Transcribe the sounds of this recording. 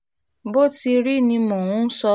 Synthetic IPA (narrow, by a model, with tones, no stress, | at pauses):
bo˦˨ti˧ɾi˦˨nĩ˧mɔ̃˨wũ˨˦sɔ˧